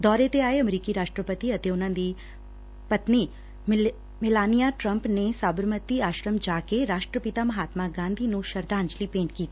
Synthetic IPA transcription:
d̪ɔːɾet̪eaːeɐmɾiːkiɾaːʃʈɾəpət̪iɐt̪eʊnãnd̪i | pɐt̪ni | mɪlaːnijaʈɾə̃mpnesaːbəɾmət̪iaːʃɾəmd͡ʒaːkeɾaːʃʈɾəpɪt̪amɐɦaːt̪maɡãːnd̪ʱinũʃɐɾd̪aːɲd͡ʒlipẽːɳʈkiːt̪i

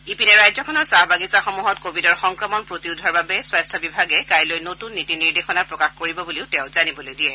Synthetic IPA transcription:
ipinɛɹajzɔkʰɔnɔɹsaɦbaɡisaxomuɦɔtkobʱidɔɹxɔŋkɹɔmɔnpɹotiɹudʱɔɹbabɛswastʰɔbibʱaɡɛkajlojnotunːitiniɹdexɔnaɹpɹɔkaxkoɹibɔbuliʊtɛ̃ʊ̃zanibɔlojdijɛ

